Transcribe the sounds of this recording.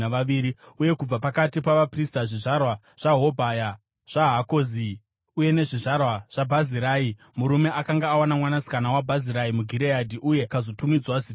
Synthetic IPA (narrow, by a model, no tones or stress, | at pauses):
aʋaʋiːɾiuje̞kub͡vapakatipaʋapristaʐiʐarwa | ʐ̥aɦo̞bʱaja | ʐ̥aɦakozi | uje̞ne̞ʐiʐarwaʐ̥abʱaziɾai | muɾume̞ʔakaŋɡaːwanamwanasi̥kanawabʱaziɾaimuɡʱiɾejadʱiʔuje̞kazo̞tumid͡zwazit